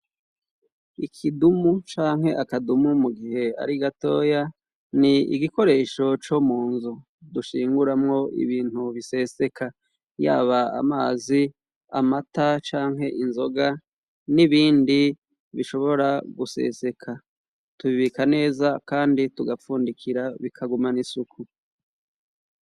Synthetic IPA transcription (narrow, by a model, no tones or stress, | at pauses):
ikʰidumut͡ʃaːŋ̥he̞ʔakadumumuɡihe̞a̰ɾiɡato̞ːja | niḭɡiko̞ɾe̞ːʃo̞t͡ʃomuːnzu | duʃiːŋɡuɾamŋo̞ʔḭβiːn̥huβise̞se̞kʰa | ja̰ːβaa̰maːzi | a̰matat͡ʃaːŋɦe̞ʔinzo̞ɡa | niβiːndi | βiʃo̞βo̞ɾaɡuse̞̰se̞kʰa | tuβiβikane̞ːzakaːndituɡafuːndikʰiɾaβikʰaɡumanisukʰu